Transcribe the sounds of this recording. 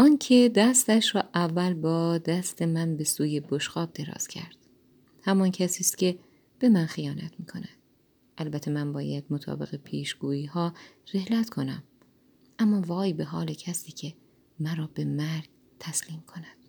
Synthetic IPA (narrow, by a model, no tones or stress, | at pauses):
ʔɒːncʰe̞d̪æst̪æʃɾɒːʔævːælbɒːd̪æst̪ʰe̞mænbe̞suːje̞boʃɡɒːb̚d̪e̞ɾɒ̰ːz̥cʰæ̰ɾd̪̥ | hæmɒncʰæsiːst̪cʲe̞ | b̥e̞mænxijɒːnæt̪ʰmiːkʰo̞næd̪̥ | ʔælbæt̪ʰe̞mænbɒːjæd̪̥̚mot̪ʰɒ̰ːbe̞̰ɣe̞pʰiːʃɡ̥uːiːhɒːre̞hlæt̪kʰo̞næm | ʔæmːɒːvɒːjbe̞ɦɒːlecʰæsiːcʰe̞ | mæɾɒːbe̞mæɾɡ | t̪ʰæsliːmkʰo̞næd̪̥̚